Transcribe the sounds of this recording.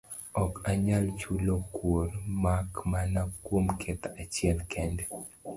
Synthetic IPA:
ɔkaɲalt͡ʃulokwormakmanakwomkʰet̪aat͡ʃɪɛlkʰɛndɛ

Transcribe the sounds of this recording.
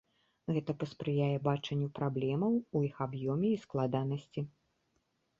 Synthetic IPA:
ɣɛt̪ɐpɐspɾɨjajɛbat͡ʂɐnʲːupɾablʲɛmɐwujixabjɔmʲɛisklˠad̪anɐsʲt͡sʲi

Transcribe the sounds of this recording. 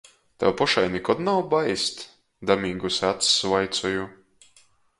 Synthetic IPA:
t̪a̰wpɔʃajnikɔd̪nawbajst̪ | d̪amiːɡusat̪svajt̪sɔju

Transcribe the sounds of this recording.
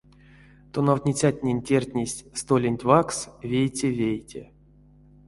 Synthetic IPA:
t̪onawtʲnʲit͡sʲatʲnʲenʲtʲerʲtʲnʲesʲst̪olʲenʲtʲvaksvʲejt͡sʲevʲejtʲḛ

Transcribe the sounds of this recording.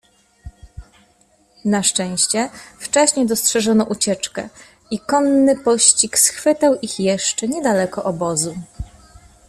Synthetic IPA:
naʂt͡ʂɛ̃w̃ɕt͡ɕɛft͡ʂɛɕɲejd̪ɔstʂɛʐɔnɔʔut͡ɕɛt͡ʂkɛ̰ | ikɔnːɘpɔɕt͡ɕiksxfɘt̪awʔixjɛʂt͡ʂɛɲɛd̪alɛkɔʔɔbɔzu

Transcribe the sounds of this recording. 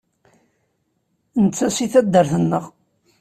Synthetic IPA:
nət͡sːæsiθæd̪ːəɾθənːəʁ

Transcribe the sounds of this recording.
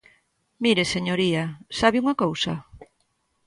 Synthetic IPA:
miɾeseɲoɾiasaβiuŋɐkowsɐ̰

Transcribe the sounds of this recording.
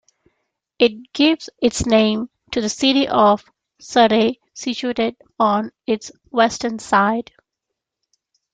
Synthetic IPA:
ɪʈ̚ɡ̥ɪʋzɪtsnẽɪ̃m | ʈʰuðəsɪɾiʔɔʋ | səɾe | sit͡ʃueːʈɪɖ | ɔ̃nɪʈs | wɛsʈənsaɪd

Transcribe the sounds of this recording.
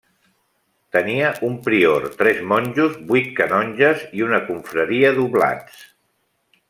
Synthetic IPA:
t̪əniəʔumpɾioɾt̪ɾɛzmɔnʲʒuzbuit̪̚kənɔnʲʒəziunəkuɱfɾəɾiəðuβla̰t͡s

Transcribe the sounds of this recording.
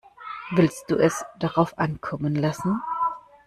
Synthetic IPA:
vɪlst̚d̥uːʔɛsd̥aʁaʊfʔankʰɔmənlasn̩

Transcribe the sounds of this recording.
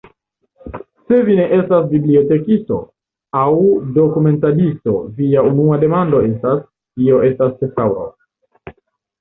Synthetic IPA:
se̞vine̞ʔe̞stasbiblio̞te̞kisto̞̰ | awdo̞kume̞ntadisto̞viaunuade̞mando̞e̞stas | kio̞ʔe̞stastesawɾo̰

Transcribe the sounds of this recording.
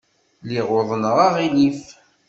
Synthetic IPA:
liʁoðˤənəʁɑʁilif

